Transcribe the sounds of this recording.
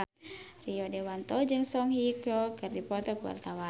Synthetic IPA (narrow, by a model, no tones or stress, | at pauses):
riɔdɛwant̪ɔd͡ʒɨŋsɔŋɦikɔkɨrdipɔt̪ɔkuwa̰rt̪awa